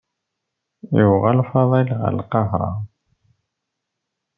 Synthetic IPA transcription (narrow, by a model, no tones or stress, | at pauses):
jəvʁalfɑðˤɑjlʁə̰lqɑɦɾˤɑ̰